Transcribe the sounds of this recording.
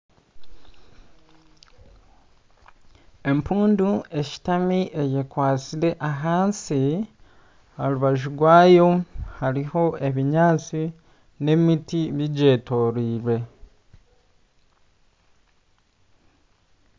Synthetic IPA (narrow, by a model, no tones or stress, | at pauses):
e̞mpuːndue̞ci̥tamiʔe̞jekwaːt͡siɾe̞ʔaɦaːnsi | aluβaʒuɡwaːjo̞haɾiho̞ʔe̞βiɲaːt͡si | ne̞mitiβiɟe̞ːto̞ɾiːɾwe̞